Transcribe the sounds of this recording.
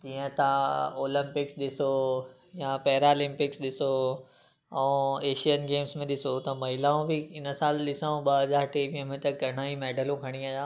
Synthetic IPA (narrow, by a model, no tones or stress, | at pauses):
d͡ʑiːə̃t̪ãoːlə̃mpɪksɗɪso | japɛɦɾalɪ̃mpɪksɗɪso | ɛ̃ːeːʃijənɡeːmsmẽɗɪsot̪ɐmɐɦɪlaũbɪɪnəsaːlɗɪsaõɓɐɦɐzaːɾʈeːmiə̃mẽt̪ɐkɐɽ̃aːimɛːɖəlõkʰɐɽ̃iaːjaː